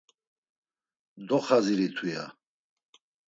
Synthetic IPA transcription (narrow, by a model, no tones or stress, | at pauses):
d̪ɔχaziɾit̪ʰwija̰